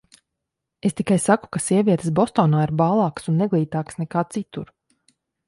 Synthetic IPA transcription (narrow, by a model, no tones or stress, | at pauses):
est̪ikajsaku̥kasiɛviɛt̪ə̥sbɔst̪ɔːnaːiɾbaːlˠɑːksunːɛɡlˠiːt̪aːksnɛkaːt̪sit̪uɾ